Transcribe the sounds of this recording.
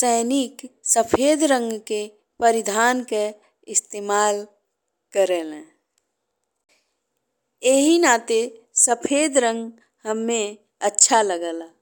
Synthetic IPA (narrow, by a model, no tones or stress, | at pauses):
sɛːɪniksəpʰeːd̪ɾə̃ŋɡke | pəɾɪd̪ʱaːnke | ɪst̪eːmaːl | kəɾelɛ̃ | eɦinaːt̪e | səpʰeːd̪ɾə̃ŋɡ | həmːẽ | ətːʃʰaləɡəlaː